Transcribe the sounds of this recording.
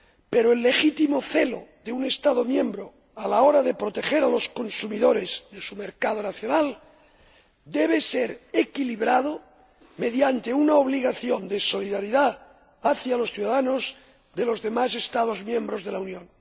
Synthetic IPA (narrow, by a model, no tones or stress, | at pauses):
peɾoe̞lːe̞xit̪imo̞θe̞lo̞̰ðeune̞st̪aðo̞mjẽ̞mbɾo | alao̞ɾaðe̞pɾo̞t̪e̞xeɾalo̞sko̞nsumiðo̞ɾe̞zðe̞sume̞ɾkað̞o̞naθjo̞nal | d̪e̞β̞e̞seɾekiliβɾað̞o | me̞ðjant̪eunaoβ̞liɣaθjo̞nd̪eso̞liðaɾiðaː | θjalo̞sθjuðaðano̞z | ðe̞lo̞zðe̞mase̞st̪að̞o̞zmjẽmbɾo̞zð̞e̞launjõ̞n